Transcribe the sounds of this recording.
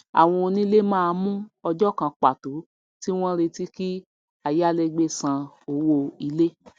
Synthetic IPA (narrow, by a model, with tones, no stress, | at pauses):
a̰˨w̃ɔ̃˧o˧nĩ˦le˦mãː˦˧mũ˦ɔ˧d͡ʒɔ˦kã˧k͡pa˨to˨˦ | ti˦w̃ɔ̃˦ɾe˧ti˦ki˦ | a˨ja˦le˧ɡ͡be˧sã˧ | o˧wo˧i˧le˦